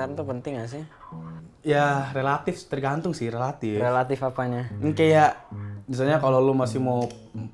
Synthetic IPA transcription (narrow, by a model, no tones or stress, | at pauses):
ant̪upənt̪ɪŋas̬ɪ | jarelat̪ɪft̪ərɡant̪ʊŋsɪhrelat̪ɪrelat̪ɪfapaɲaŋ̩kajaʔbis̬aɲakalolumasɪhmo